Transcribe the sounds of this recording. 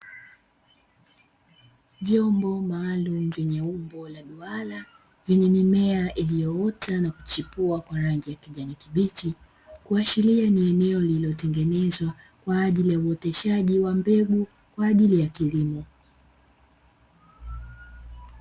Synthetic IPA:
vjɔmbɔmaːlum̩vɛɲɛumbɔlaɗuala | vjɛɲɛmimɛaʔilijɔɔtanaku̥t͡ʃipuakwaɾaŋɡijakiʄanikiɓit͡ʃi | kuaʃilianiɛnɛɔliliɔtɛŋɡɛnɛzwa | kwaːʄilijauɔtɛʃaʄiwambɛɡu | kwaːʄilijakilimɔ

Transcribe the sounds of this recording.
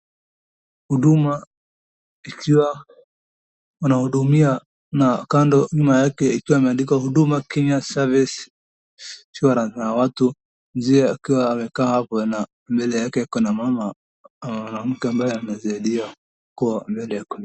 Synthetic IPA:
huɗuma | ikiwa | unahuɗumia | nakandɔɲumajakɛikiwaimɛandikahuɗumakɛɲasavis | siwaɾanawatu | mziɛakiwaːmɛkaːhapɔna | mbɛlɛjakɛjakɔnamama | anam̩kɛambajɛanazaiɗia | kuwambɛlɛjakɔ

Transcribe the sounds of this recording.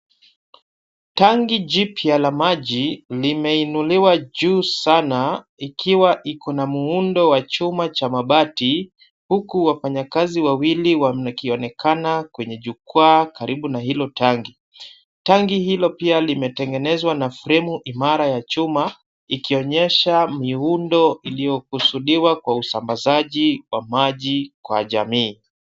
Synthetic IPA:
taŋɡiʄipialamaʄilimɛinuliwaʄuːsana | ikʰiwaʔikʰɔnamuundɔwat͡ʃumat͡ʃamaɓati | hukuwafaɲakaziwawiliwaakiɔnɛkʰanakwɛɲɛʄukwakaɾiɓunaɦilɔtʰaŋɡi | taŋɡihilɔpialimɛtɛŋɡɛnɛzwanafɾɛmuʔimaɾajat͡ʃuma | ikiɔɲɛʃamiundɔilijɔkusuɗiwakwausambazaʄiwamaʄikwa̰ʄamiː

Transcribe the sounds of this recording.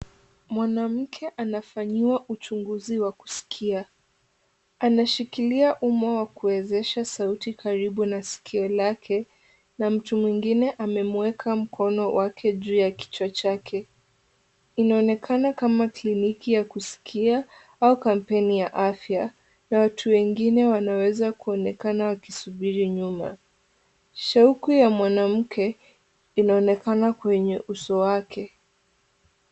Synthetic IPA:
mwanam̩kʰɛʔanafaɲiwaʔut͡ʃuŋɡuziwaku̥si̥kʰia | anaʃikiliaʔumawakuwɛzɛʃasautikʰaɾiɓunasi̥kʰiɔlakʰɛ | nam̩tumwiŋɡinɛʔamɛmwɛkʰam̩kʰɔnɔwʔakʰɛʄuːjaki̥t͡ʃat͡ʃakʰɛ | inaɔnɛkʰanakamaklinikijakusi̥kʰia | aukam̩pɛnijaʔafja | nawatʰuwɛŋɡinɛwanawɛzakuɔnɛkanawakisuɓiɾiɲuma̰ | ʃaukujamwanam̩kʰɛ | inaɔnɛkanakwɛɲɛʔusɔwakʰɛ

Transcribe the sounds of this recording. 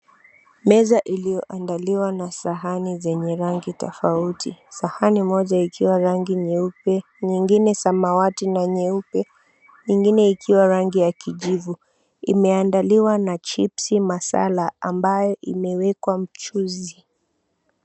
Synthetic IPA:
mɛzaʔilijɔʔandaliwanasaɦanizɛɲɛɾaŋɡitɔfautʰisahanimɔʄaikʰiwaɾaŋɡiɲɛupɛ | ɲiŋɡinɛsamawatinaɲɛupɛ | ɲiŋɡinɛikʰiwaɾaŋɡijakiʄivu | ḭmɛandaliwanat͡ʃipsimasa̰laambajɔʔimɛwɛkwam̩t͡ʃuzi

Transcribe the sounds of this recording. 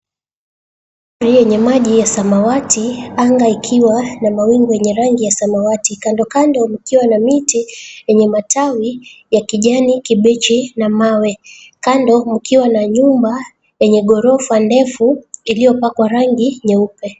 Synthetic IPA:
ɾijɛɲɛmaʄijasamawatʰiaŋɡaikʰiwanamawiŋɡɔjɛɲɛɾaŋɡijasamawatikandɔkandɔmukiwanamitijɛɲɛmatʰawijakiʄanikiɓɛt͡ʃinamawɛ | kandɔmukʰiwanaɲumba | jɛɲɛɠɔɾɔfandɛfuilijɔpakwaɾaŋɡiɲɛupɛ

